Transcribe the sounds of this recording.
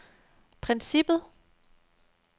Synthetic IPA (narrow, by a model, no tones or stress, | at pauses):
pʰʁɛnsib̥ð̩ˠ